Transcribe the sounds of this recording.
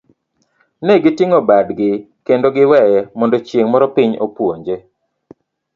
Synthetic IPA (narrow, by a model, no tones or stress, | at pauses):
nɛɡɪtiŋobadɡɪ | kendoɡɪwɛjɛmɔndɔt͡ʃjeŋmɔɾɔpɪɲo̰pwoɲd͡ʒe